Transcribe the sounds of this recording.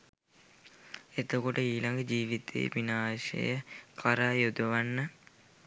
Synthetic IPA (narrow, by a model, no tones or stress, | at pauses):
et̪okoʈəiːlaŋɡəd͡ʒiːʋit̪ʰḛːʋinaːʃḛjəkʰaɾaːjud̪uʋanːə